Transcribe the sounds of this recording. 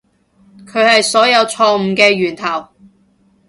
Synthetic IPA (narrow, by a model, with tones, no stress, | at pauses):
kʰɵ˨˧ɥhɐ˨jsɔː˨˥jɐ˨˧wt͡ʃʰɔː˧m̩˨˧kɛː˧ɥyː˨˩nt̪ʰɐ˨˩w